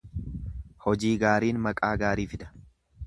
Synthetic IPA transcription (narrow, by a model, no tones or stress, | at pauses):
hɔd͡ʒiːɡaːɾiːnmɐkʼaːɡaːɾiːfɪd̪ɐ̥